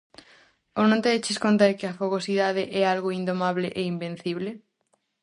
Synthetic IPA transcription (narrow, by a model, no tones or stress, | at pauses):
onõnt̪eet͡ʃɪskont̪̬eɾkɪɐfoɣosiðaðɪʔɛalɣʊind̪omaβleʔeimbẽn̟θiβle